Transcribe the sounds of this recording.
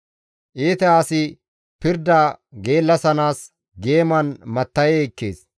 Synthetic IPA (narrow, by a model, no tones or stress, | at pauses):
ʔeːt̪ɛaːsɪ | pɪɾd̪ɐɡe̞ːlːɐsɐnaːs | ɡe̞ːmɐnmɐt̪ːɐjɛkːḛːs